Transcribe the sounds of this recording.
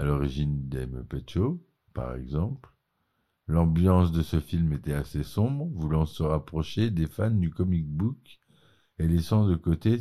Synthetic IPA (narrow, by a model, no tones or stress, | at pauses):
alɔʁiʒind̪ɛmpet͡ʃo | pa̰ʁɛ̰ɡzɑ̃pl | lɑ̃bjɑ̃s̬d̪əsəfilmet̪ɛasesɔ̃bʁvulɑ̃səʁapχɔʃed̪efand̪ykɔmik̚buk | elesɑ̃d̪əkot̪e